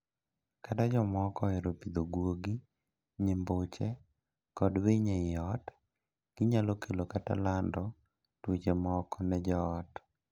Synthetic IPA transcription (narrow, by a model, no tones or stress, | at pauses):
katad͡ʒɔmɔkɔeɾopid̪oɡwoɡi | ɲembot͡ʃɛ | kɔdweɲeɪɔt | ɡ̥ɪɲalɔkʰelokata̰landɔ | twet͡ʃemɔkɔnɛd͡ʒɔːt